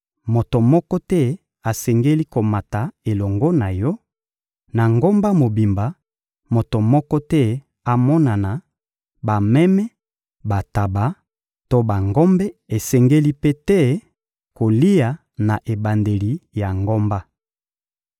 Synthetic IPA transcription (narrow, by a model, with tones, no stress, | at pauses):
mo˨to˨mɔ˦kɔ˦tɛ˦ | a˨sɛ˨ŋɡe˦li˦ko˨ma˨ta˨e˨lɔ˨ŋɡo˦na˨jɔ˦ | na˨ŋɡo˦mba˦mo˨bi˨mba˨˦ | mo˨to˨mɔ˦kɔ˦tɛ˦ | a˨mɔ˦na˨na˨ | ba˨mɛ˦mɛ˦ | ba˨ta˨ba˨ | to˦ba˨ŋɡo˦mbɛ˦e˨sɛ˨ŋɡe˦li˦pe˦tɛ˦ | ko˨li˦ja˨ | na˨ʔe˨ba˨nde˨li˨ja˨ŋɡo˦mba˦